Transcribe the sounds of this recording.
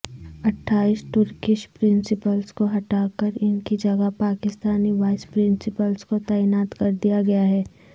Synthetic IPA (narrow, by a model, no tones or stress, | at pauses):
ɐʈʰːaːɪsʈʊɾkɪʃpɾɪ̃nsɪpəlskoɦɐʈaːkəɾɪnkid͡ʒɐɡəpaːkɪst̪aːniʋaːɪspɾɪ̃nsɪpəlskot̪ɛːɪnaːt̪kɐɾd̪ijaɡɐjaɦɛː